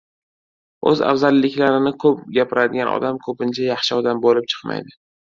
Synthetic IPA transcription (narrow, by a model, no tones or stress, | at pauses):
ɵ̰za̰fzalːɪkʲlaɾɪnɪkʰɵp̚ɡʲapʰɪɾad̪ɪɡanɒ̰d̪amkʰɵpɪnt͡ʃʰajɑχʃɪɒd̪ambolɪp̚t͡ʃʰɨ̥qma̰jd̪ɪ